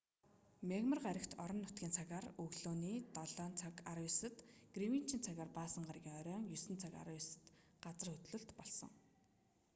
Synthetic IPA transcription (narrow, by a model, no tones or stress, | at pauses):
mʲeɣmə̆rɢaɾʲə̆kt̪ʰɔɾɞ̆nːʊt̪̚ɡʲiːnt͡sʰaɣaːrɵɣɮoːniːt̪ɔɮɔːnt͡sʰakaɾjʊsə̆t̪ɡ̥riwin̥t͡ɕʰiːnt͡sʰaɣaːrpaːsə̆ɴɢarɣʲiːŋɔɾʲœːŋjɵsɘ̆nt͡sʰaka̰ɾjsə̥̆t̪ | ɢat͡sə̆rxɵt̪ɮɵ̆ɬt̪pɔɮsɞ̰̆ŋ